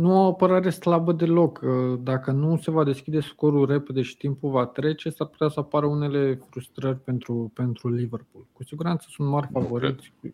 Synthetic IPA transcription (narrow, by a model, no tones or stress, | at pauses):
nuoapəɾaɾe̞slabəd̪e̞lo̞kəd̪akənuse̞vad̪e̞skʲid̪e̞su̥ko̞ɾure̞pe̞d̪e̞ʃi̥t̪impulvat̪ɾe̞t͡ʃe̞sarpu̥t̪easəapaɾəune̞le̞fɾust̪ɾərʲpe̞nt̪ɾupe̞nt̪ɾulive̞rpulkusiɡuɾant̪səsunt̪marʲfavo̞ɾit̪sʲ